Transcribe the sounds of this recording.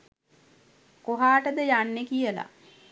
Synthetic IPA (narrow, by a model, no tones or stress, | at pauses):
koɦaːʈəd̪əjanːekijəla̰